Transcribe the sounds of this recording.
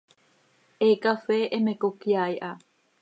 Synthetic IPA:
ʔekafeʔemekokiajʔa

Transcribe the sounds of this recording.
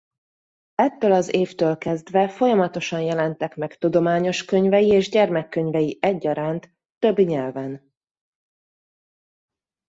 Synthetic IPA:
ɛt̪ːøːlɒzeːft̪øːlkɛzd̪vɛfo̞jɒmɒt̪o̞ʃɒnjɛlɛnt̪ɛkmɛkt̪ud̪o̞maːɲo̞ʃkøɲvɛjieːʒɟɛrmɛkːø̞ɲvɛjiʔɛɟːɒɾaːnt̪ː | ø̞bːiɲɛlvɛn

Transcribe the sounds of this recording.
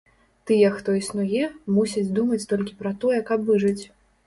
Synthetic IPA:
t̪ɨjɛxt̪ɔisnujɛmusʲɐd͡zʲd̪umɐt͡sʲt̪ɔlʲkʲi̥pɾɐt̪ɔjɛkɐpvɨʐɨt͡sʲ

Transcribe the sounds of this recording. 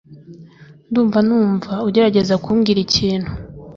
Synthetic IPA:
nduːɱvanuːɱvauɟe̞ɾaɟe̞zakuːmɡiɾiciːnhu

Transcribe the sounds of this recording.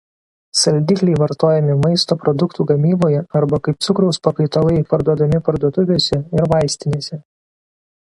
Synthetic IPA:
sɐlʲd̪ʲikʲlʲɛɪʋɐɾt̪oːjɛmʲɪmɐɪst̪oːpɾɔd̪ʊkt̪uːɡɐmʲiːboːjɛɐɾbɐkɐɪp̚t̪sʊkɾɒʊspɐkɐɪt̪olˠɐɪpɐɾd̪uɔd̪ɐmʲɪpɐɾd̪uɔt̪ʊʋʲeːsʲɛɪɾʋɐɪsʲt̪ʲɪnʲeːsʲɛ

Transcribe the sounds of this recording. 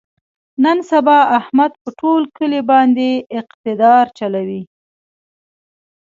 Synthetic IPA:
nənsabɑahmad̪̚pəʈolkəlebɑnd̪eɪqt̪ɪd̪ɑɾt͡ʃalawi

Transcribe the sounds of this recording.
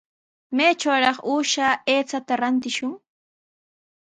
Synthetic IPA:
mejt͡ʃawɾɑχuːʃaːeːt͡sat̪aɾant̪ɪʃʊŋ

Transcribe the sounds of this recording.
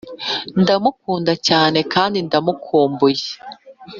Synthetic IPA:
ndamuk̚uːndacaːne̞kaːndindamukʰuːmbuje

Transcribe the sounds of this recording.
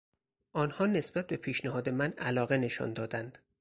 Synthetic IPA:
ʔɒːnhɒːne̞sb̥æt̪̚be̞pʰiːʃnæhɒːd̪e̞mænælɒːɣe̞ne̞ʃɒ̰nd̪ɒːd̪ænd̪̥

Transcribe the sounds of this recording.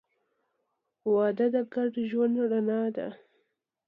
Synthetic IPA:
wɑd̪ad̪aɡaɾɖəʒwand̪ɽanɑd̪a̰

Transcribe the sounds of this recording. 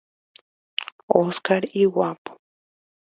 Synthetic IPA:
oskaɾiwapu̥

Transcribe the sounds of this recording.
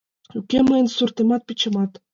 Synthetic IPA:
ykeməjənsurt̪emɑt̪̚pit͡ɕə̆mɑt̪

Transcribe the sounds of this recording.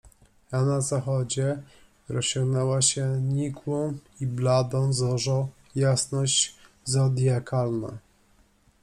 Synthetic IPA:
anazaxɔd͡ʑɛ | ɾɔɕɔ̃ŋɡnɛwaɕɛɲikʰwɔ̃w̃iblad̪ɔ̃w̃zɔʐɔ̃ | jasnɔɕd͡ʑ | zɔd̪jakʰalna̰

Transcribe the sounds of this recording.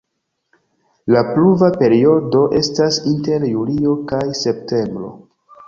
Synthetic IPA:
lapluvape̞ɾio̞do̞ʔe̞stasinte̞ɾjulio̞kajse̞pte̞mbɾo̞̰

